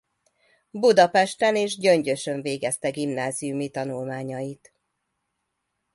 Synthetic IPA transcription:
bud̪ɒpɛʃt̪ɛneːʒɟøɲɟø̞ʃøɱveːɡɛst̪ɛɡimnaːzijumit̪ɒnulmaːɲɒjit̪

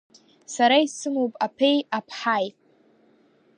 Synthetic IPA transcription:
saɾaisɨmowpʼapʰejapʰħajtʼ

